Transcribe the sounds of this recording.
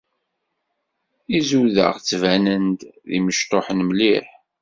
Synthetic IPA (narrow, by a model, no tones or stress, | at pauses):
izuðə̰ʁt͡sːvænənd̪ðḭməʃt̪ˤoħənmliħ